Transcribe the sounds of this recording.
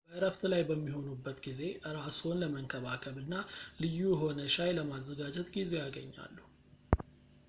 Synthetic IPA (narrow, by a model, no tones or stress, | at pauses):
bəɨɾəft̪lajbəmːiɦo̞nubːət̪ɡize̞ʔɨɾaso̞nləməŋkʰəβakʰəβɨnːalɨjːujɦo̞nəʃajləmazːəɡad͡ʒɛt̪ɡize̞jaɡəɲːa̰lːu